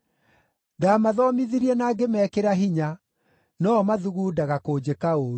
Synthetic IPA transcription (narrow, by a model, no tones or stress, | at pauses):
daːmaðɔmiðiɾiɛnaːɡemɛːkeɾaɦiɲa | nɔmaðuɣuːdaɣakoːd͡ʑekaoːɾu